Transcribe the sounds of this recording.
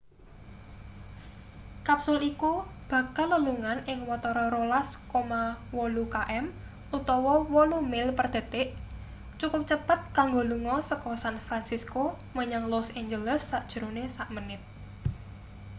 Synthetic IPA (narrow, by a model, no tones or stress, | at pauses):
kapsʊlikub̥ä̤kalːəluŋanɪŋwɔt̪ɔɾɔɾolaskomawɔlukaʔɛm | ut̪ɔwɔwɔlumɪlpərd̪̥e̤t̪eʔ | t͡ʃukʊp̚t͡ʃəpət̪̚kaŋɡoluŋɔsəkɔsanfɾansisko | məɲaŋlɔseɲd͡ʒələsːaʔd̥ʒ̥ə̤ɾonesaʔmənɪt̪̚